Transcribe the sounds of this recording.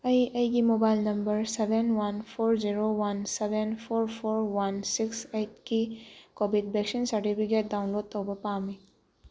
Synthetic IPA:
ɐjɐjkimobajlnɐmbəɾsebenwanpʰoɾziɾowansebenpʰoɾpʰoɾwansikseʈ̚kikobʱid̚bɛksinsɐɾʈipʰik̬et̚dawnlod̚t̪ɔwbɔpami

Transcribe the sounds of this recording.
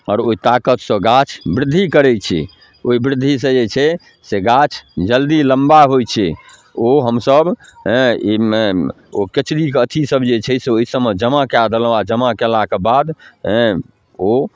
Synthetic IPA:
ɔːɾoit̪akət̪sə̃ɡat͡ʃʰbɾɪd̪ʱːikəɾɛt͡ʃʰɛ̰ | oibɾɪd̪ʱːisə̃d͡ʒet͡ʃʰɛ | seɡat͡ʃʰd͡ʒəld̪iləmbaɦojt͡ʃʰɛ | oɦəmsəbɦɛ̃ime | oket͡ʃɾikət̪ʰisəbd͡ʒet͡ʃʰɛseoisəmed͡ʒəmakead̪əlad͡ʒəmakelakebad̪ɦɛ̃ | o

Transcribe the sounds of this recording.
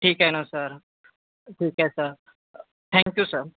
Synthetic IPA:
ʈʰiːkajnasəɾ | ʈʰiːkajsəɾ | t̪ʰɛ̃ŋkjusəɾ

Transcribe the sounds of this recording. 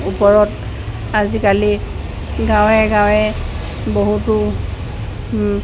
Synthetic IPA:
upɔɹɔt | azikali | ɡãwɛɡãwɛ | boɦutʊ

